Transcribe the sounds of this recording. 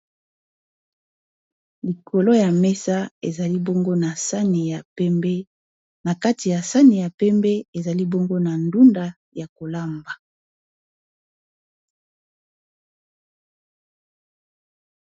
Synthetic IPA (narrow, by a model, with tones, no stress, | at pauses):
li˨kʰo˨lo˦ja˨me˦sa˦e˨za˨li˦bo˦ŋɡo˦na˨sa˦ni˨ja˨ɛ˦me˦ | na˨ka˦ti˨ja˨sa˦ni˨ja˨pɛ˦mbɛ˦e˨za˨li˦bo˦ŋɡo˦na˨ndu˦nda˦ | ja˨ko˨la˦mba˨